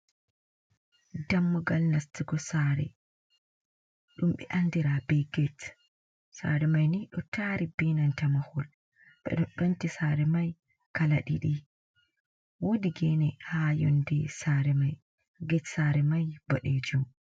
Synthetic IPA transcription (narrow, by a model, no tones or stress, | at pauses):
damːɔɡalnastiɡɔsaːɾɛ̰ | ɗumɓɛ̰ʔandiɾabɛɡɛt | sa̰ɾɛmajniɗɔtʰaɾibinantamahɔl | ɓɛ̰ɗunɗɔntisaɾɛmaj | kalaɗḭɗi | wodiɡɛnɛhajo̰ndisaɾɛmaj | ɡɛtsaɾɛmajb̥ɔɗed͡ʒum